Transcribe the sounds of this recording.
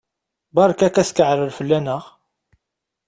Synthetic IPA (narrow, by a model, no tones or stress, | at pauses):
bɑɾˤkækæskəʕɾəlfəlːænəʁ